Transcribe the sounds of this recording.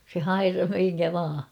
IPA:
se hɑirɑh miŋkæ ʋɑː

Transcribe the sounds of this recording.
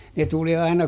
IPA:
ne tuli ɑinɑ

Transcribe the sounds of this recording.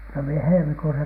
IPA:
no mie helmikuːsɑ

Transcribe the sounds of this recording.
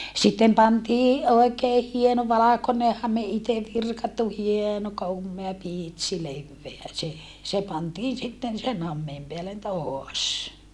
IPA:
sitːem pɑntiː oˑekeː hieno ʋɑlɑkone hɑme ite ʋirkɑtːu hieno komːeɑ piˑtsi leʋːeæ se se pɑntiːn sitːen sen hɑmːeːm peælːen toɑs

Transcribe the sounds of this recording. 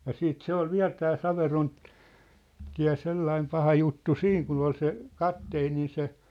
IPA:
jɑ siːt se ol ʋiæ̝l tæː sɑʋeron tiæ̝ selːɑim pɑhɑ jutːu siːŋ kun ol se kɑpteːnin̞ se

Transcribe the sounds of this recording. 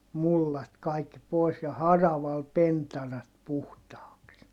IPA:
mulːɑt kɑikːi poˑi̯s jɑ hɑrɑʋɑl pentɑrɑt puhtɑːks

